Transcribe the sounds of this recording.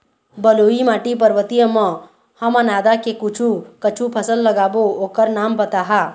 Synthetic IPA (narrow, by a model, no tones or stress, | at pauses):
bəluimaːʈipəɾʋət̪ijəmə̃ | həmanaːd̪akekut͡ʃʰukət͡ʃʰupʰəsəlːəɡaːbooːkəɾnaːmbət̪aɦa